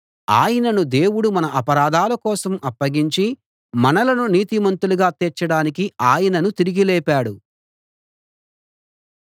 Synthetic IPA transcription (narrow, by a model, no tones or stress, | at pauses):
a̰ːjɐnɐnud̪e̞ːwuɽumɐnɐʔɐpɐɾaːd̪ʱaːlɐkɔːsɐmʔɐpːɐɡiɲt͡ʃi | mɐnɐlɐnuniːt̪imɐnt̪uluɡaːt̪ɛt͡ʃːɐɽaːnikiaːjɐnɐnut̪iɾiɡilɛːpaːɽu